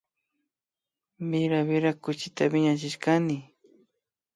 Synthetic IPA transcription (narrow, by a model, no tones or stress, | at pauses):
mɪɾaβɪɾakʊt͡ʃɪt̪abɪɲat͡ʃɪʃkanɪ